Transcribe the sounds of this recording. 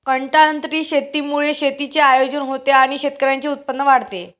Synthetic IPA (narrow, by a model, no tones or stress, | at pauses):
kəɳʈaənt̪ɾiːɕet̪iːmuɭeɕet̪it͡seajod͡ʑənɦot̪eaɽ̃iɕet̪kəɾjaɲt͡seut̪̚pənːəʋaɽt̪e